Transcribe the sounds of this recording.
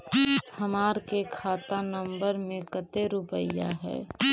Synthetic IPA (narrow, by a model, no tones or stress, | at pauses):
həmaːɾkekʰaːt̪anə̃mbəɾmẽkət̪eɾʊpəja̰ɦɛ̰ː